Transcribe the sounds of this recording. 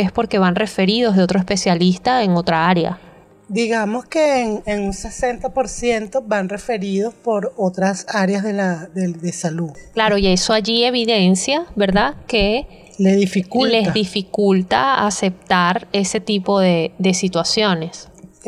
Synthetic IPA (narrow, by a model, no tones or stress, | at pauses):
espo̞ɾke̞βanre̞fe̞ɾiðo̞zðeo̞t̪ɾoespe̞sjalist̪aeŋo̞t̪ɾaaɾja̰ | d̪iɣamo̞skeːŋeŋunse̞se̞nt̪apoɾsje̞nt̪o̞βanre̞fe̞ɾiðo̞spo̞ɾot̪ɾasaɾjazðelaðed̪esaluklaɾo̞ie̞so̞aʝie̞β̞iðe̞nsjabe̞ɾðake̞ | leðifikulle̞zðifikult̪a̰ase̞p̚t̪aɾe̞se̞t̪ipo̞ðe̞ðe̞sit̪wasjo̞ne̞s